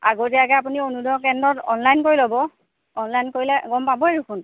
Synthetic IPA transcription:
a̰ɡotɛakɛap̬unionudɔkɛndɹɔtɔnlajnkoɹilobɔ | ɔnlajnkoɹilɛɡɔmpabɔeɹukʰʊn

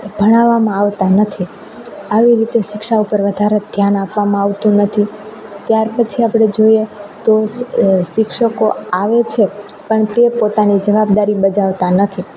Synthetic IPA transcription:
bʱəɽ̃aʋːamãaʋt̪anət̪ʰi | aʋiɾit̪eʃɪkʃaupəɾʋəd̪ʱaɾed̪ʱjanapʋamãaʋt̪ũnət̪ʰit̪jaɾpət͡ʃʰiapɽ̃ed͡ʒoiet̪oʃɪkʃəkoaʋet͡ʃʰe | pəɳt̪epot̪anid͡ʒəʋab̚d̪aɾibəd͡ʒaʋt̪anət̪ʰi

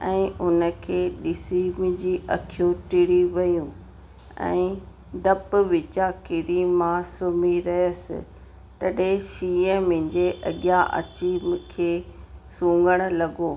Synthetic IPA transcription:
ɛ̃ːʊnə̆kʰeːɗɪsimɪd͡ʑiːʔɐkʰijũʈɪɽiʋɐjũ | ɛ̰̃ː | ɖɐpʊʋɪt͡ɕakɪɾimãsʊmiɾɐɦəsɪ̰ | t̪ɐɗeʃiːə̃mɪ̃ɪ̃ɲd͡ʑeʔɐ̰ɠjaʔɐ̰t͡ɕimkʰeːsũːŋɡəɽ̃̆lɐɡoː

